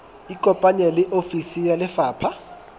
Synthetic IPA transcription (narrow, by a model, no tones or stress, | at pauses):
ikʼɔpʼaɲɛlɪʔofisijalɪfaːpʰa